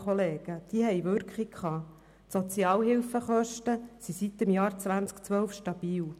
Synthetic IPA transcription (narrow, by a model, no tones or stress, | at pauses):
χɔleːɡ̥əd̥iəhɛjʋʏɾkχikχɑː | tsot͡siɑːlɦɪlfəχœʃtəsisit̪ɪmjɑːɾt͡sʋænt͡skt͡sʋœlfʃtɑbiːl